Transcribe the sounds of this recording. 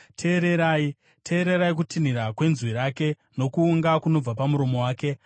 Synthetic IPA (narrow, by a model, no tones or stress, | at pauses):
tʰe̞ːɾe̞ɾaːi | tʰe̞ːɾeɾaik̬utin̤iɾakwe̞nzwiɾaːke̞ | no̞kuːŋɡakuno̞b͡vapamuɾo̞mo̞waːke̞